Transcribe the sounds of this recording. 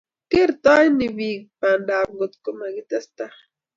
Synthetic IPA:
keɾt̪ajniβikpandamɡot̪komaɡit̪ast̪a

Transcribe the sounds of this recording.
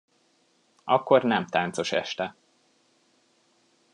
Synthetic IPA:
ɒkːo̞rnɛmt̪aːnt̪so̞ʃɛ̰ʃt̪ɛ

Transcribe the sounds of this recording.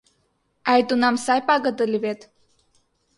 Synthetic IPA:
ajt̪unamsajpaɡət̪əlivet̪

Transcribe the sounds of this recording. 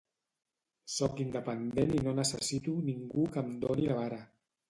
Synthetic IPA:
sɔkind̪əpənd̪eninonəsəsit̪uniŋɡukamd̪onilaβaɾa

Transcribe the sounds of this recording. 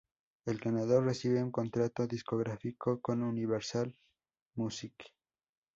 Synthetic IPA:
e̞lɡanaðo̞rre̞siβeuŋko̞nt̪ɾat̪o̞ðisko̞ɣɾafiko̞ko̞nuniβeɾsal | musik

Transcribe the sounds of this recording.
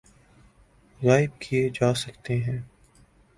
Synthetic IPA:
ɣaːɪb̚kʰied͡ʒaːsɐkt̪eɦɛ̃ː

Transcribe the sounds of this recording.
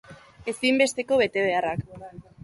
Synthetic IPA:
e̞simbe̞st̪e̞ko̞βe̞t̪e̞ð̞e̞arak

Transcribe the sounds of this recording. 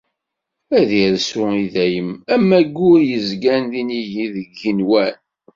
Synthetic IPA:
æðiɾsʊiðæjəmæmːæɡːʊɾjəzɡænðinijiðəɡːinwæn

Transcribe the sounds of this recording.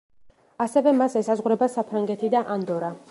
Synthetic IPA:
asɛvɛmasɛsazʁɾɛbasapʰɾaŋɡɛt̪ʰid̪aʔand̪ɔɾa

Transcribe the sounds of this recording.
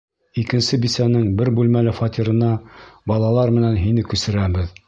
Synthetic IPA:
ikɘ̆nsɘbisænɘŋbɘɾbʉlmælɘfɑt̪ʲiɾɤ̆nɑbɑlˠɑlˠɑɾmɘ̆nænɦinɘkʉsɘ̆ɾæbɘð

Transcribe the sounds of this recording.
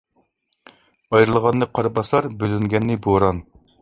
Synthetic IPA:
ɑjɾɨlˠʁɑnːɨqʰɑɾbɑsɑɾbølyŋɡʲɛnːɪboɾɑn

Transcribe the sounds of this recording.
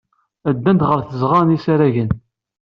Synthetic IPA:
æd̪ːænd̪ʁəɾθəzʁɑɾnisaɾæʝən

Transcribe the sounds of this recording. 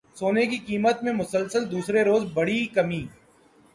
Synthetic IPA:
soːnekikiːmət̪mẽmʊsəlsəld̪uːsɾeɾoːzbɐɽikɐmiː

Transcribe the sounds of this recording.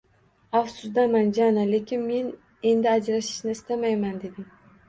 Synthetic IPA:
afsʊzd̪amand͡ʒanale̞kʲʰɪnme̞n | e̞nd̪ɪad͡ʒɾaʃɪ̥ʃnɪɪst̪amajmand̪e̞d̪ɪŋ

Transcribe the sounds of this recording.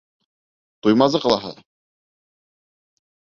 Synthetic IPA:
t̪ujmɑzɤqɤ̆lˠɑɦɤ̰

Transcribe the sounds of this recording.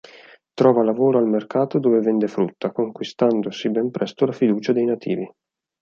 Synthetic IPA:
t̪ɾɔːvalavoːɾoalmerkaːt̪od̪oːvevɛnd̪efɾut̪ːakoŋkwist̪and̪osibɛmpɾɛst̪olafid̪uːt͡ʃad̪ejnat̪ʰḭːvi

